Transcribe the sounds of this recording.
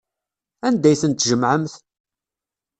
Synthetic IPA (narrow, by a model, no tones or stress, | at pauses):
ænd̪æjθənt̪ːʒəmʕəmθ